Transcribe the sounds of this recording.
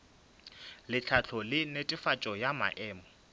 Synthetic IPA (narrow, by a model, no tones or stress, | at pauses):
lɪt͡ɬʰat͡ɬʰɔlɪnetʼɪfat͡ʃʼɔjama̰ʔɛːmɔ